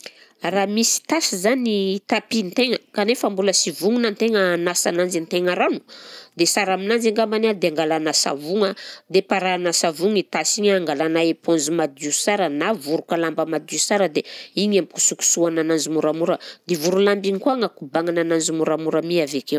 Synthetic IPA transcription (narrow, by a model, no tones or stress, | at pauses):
ramisi̥t̪asizanit̪apint̪eŋəkanefambuləsivuŋunant̪eŋəːnasanand͡ʒint̪eŋaɾanu̥d̪esaɾaminand͡ʒiŋɡambanad̪eaŋɡalanasa̰vuŋad̪epaɾanasavuŋit̪asiɲaŋɡalanaeponzimad̪usaɾənavuɾukalambəmad̪usaɾəd̪eiɲamku̥suku̥suananand͡zimuɾamuɾəd̪̥evuɾulambiɲikuaŋakubaŋananand͡ʒimuɾamuɾamiavekew